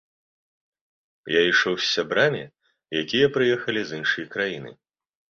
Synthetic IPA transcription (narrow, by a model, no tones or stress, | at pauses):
jaiʂɔwsʲːabɾamʲḭ | jakʲijɐpɾɨjɛxɐlʲizɨnʂɨjɐkɾajinɨ̰